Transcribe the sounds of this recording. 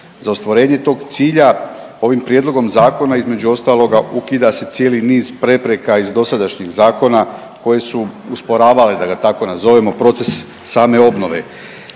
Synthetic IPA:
zaost̪ʋoɾe̞ːɲe̞t̪o̞ːɡt̪siːʎao̞ʋimpɾje̞d̪lˠo̞ɡo̞mzaːko̞naizme̞d͡ʑuo̞st̪aːlˠo̞ɡaʔukid̪ase̞t̪je̞ːliniːzpɾe̞pɾe̞kaizd̪o̞sad̪aʃɲiɣzaːko̞na | ko̞je̞suuspo̞ɾaːʋaled̪aɡat̪ako̞nazo̞ʋemo̞pɾo̞t̪se̞sː | aːme̞o̞bno̞ʋe̞̰

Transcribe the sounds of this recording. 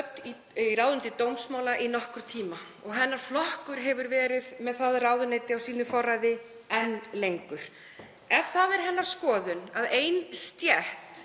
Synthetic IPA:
t̪ːi | iraːwðʏnt̪ɪt̪owmsmaːwlaʔinɔhkʏɾ̥t̪ʰiːma | ɔɣɦɛnːaɾ̥flɔhkʏɾ̥ɦɛvʏɾvɛːɾɪðmɛðθaðraːwðʏnejt̪ɪawsiːnʏfɔrːajðɪ | ɛnːlejŋkʏɾ̥ | ɛ̥θaðɛɾ̥ɦɛnːaɾ̥skɔːðʏnaðeːjnst̪jɛht̪

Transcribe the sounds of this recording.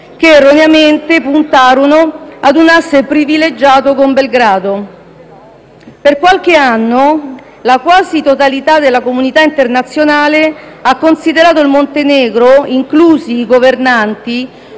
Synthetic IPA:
keːrːoneament̪epunt̪aːɾonoad̪unasːepɾiviled͡ʒːaːt̪okombelɡɾaːd̪o | perkwalk̟eanːo | lakwaːzit̪ot̪alit̪ad̪elːakomunit̪aint̪ernat̪sːjonaːleakːonsid̪eɾaːt̪̬oilmont̪enɛːɡɾoiŋkluːziːɡovernant̪i

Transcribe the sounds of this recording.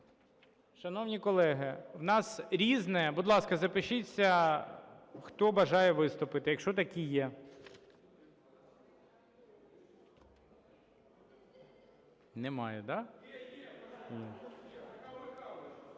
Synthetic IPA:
ʃɐnɔwnʲikɔlˠɛɦɪwnɑsɾʲiznɛbʊd̪lˠɑskɐzɐpɪʃɪt͡sʲːɐ | xt̪ɔbɐʒɑjɛʋɪst̪ʊpɪt̪ɪjɐkʃt͡ʃɔt̪ɐkʲijɛ | nemɑjɛd̪ɑ

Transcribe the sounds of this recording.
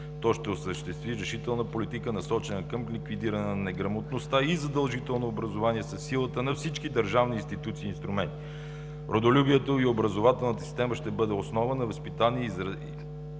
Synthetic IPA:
t̪ɔʃt̪ɛosəʃt̪ɛst̪viɾɛʃit̪ɛlˠnəpolit̪ikənɐsɔt͡ʃɛnəkəmlikvid̪iɾənɛnɛɡɾɐmot̪nost̪aizɐd̪ɐlˠʒit̪ɛlˠnoːbɾɐzovaniɛsɐsːilˠət̪ənɐfsit͡ʃkid̪əɾʒavniinst̪it̪ut̪siːnst̪ɾumɛnt̪i | ɾʔod̪olʲubiɛt̪oiobɾəzovat̪ɛlˠnət̪əsi̥st̪ɛməʃt̪ɛbɤd̪ɛosnɔvənɐvəspit̪anizɾ

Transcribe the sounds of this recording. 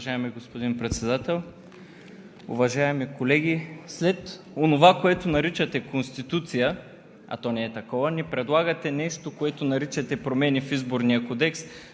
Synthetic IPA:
ʒaɛmiɡospod̪inpɾɛt̪sɛd̪at̪ɛlˠ | ʊ̰vɐʒaɛmikolɛɡʲislɛt̪ | onovakoɛt̪onɐɾit͡ʃət̪ɛkonst̪it̪ut̪sijə | ɐ̰t̪ɔnɛɛt̪ɐkɔvənipɾɛd̪lˠaɡət̪ɛnɛʃt̪okoɛt̪onɐɾit͡ʃɐt̪ɛpɾomɛnifizboɾnijəkod̪ɛks

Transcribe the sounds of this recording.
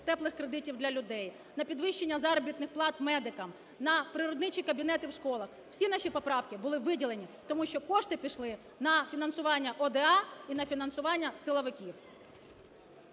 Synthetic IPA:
t̪ɛplˠɪxkɾed̪ɪtʲiwd̪lʲɐlʲʊd̪ɛj | nɐpʲid̪ʋɪʃt͡ʃːenʲːɐzɑɾɔbʲit̪nɪxplˠɑt̪mɛd̪ɪkɐm | nɐpɾɪɾɔd̪nɪt͡ʃʲikɐbʲin̪ɛt̪ɪwʃkɔlˠɐx | w̥sʲinɑʃʲipɔpɾɑwkɪbʊlˠɪʋɪdʲilˠenʲit̪ɔmuʃt͡ʃɔkɔʂt̪ɪpʲiʃlˠɪ | nɐfʲinɐnsʊʋɑnʲːɐʔɔd̪ɛɑinɐfʲinɐnsʊʋɑnʲːɐsɪlˠɔʋɪkʲiw

